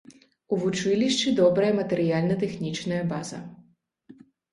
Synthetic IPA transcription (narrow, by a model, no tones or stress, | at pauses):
uvut͡ʂɨlʲiʂt͡ʂɨd̪ɔbɾɐjɐmɐt̪ɛɾɨjalʲnɐt̪ɛxnʲit͡ʂnɐjɐbazɐ̰